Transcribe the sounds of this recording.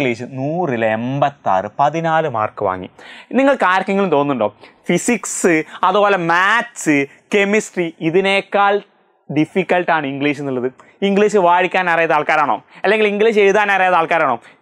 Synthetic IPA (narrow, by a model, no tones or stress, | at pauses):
ɡliːɕɨnuːrileembɐt̪ːa̰ːrɨpɐðinaːlɨma̰ːrkɨʋa̰ːŋːḭniŋːɐɭkaːɾɐkːɐŋːɐlumt̪o̞ːnːuɳɖo̞ːfisiksɨɐðubo̞ːlemaːɨ | ke̞misʈriiðine̞ːkːaːɭ | ɖifikʲːɐlʈaːɳɨiŋɡɭiːɕɨnːilːɐðɨ | iŋɡɭiːɕɨʋaːɻikʲːaːnarijɐðaːɭkaːɾaːɳo̞ːɐlːeŋɡiliŋɡliːɕejuðaːnarijɐt̪aːɭkaːɾaːɳoː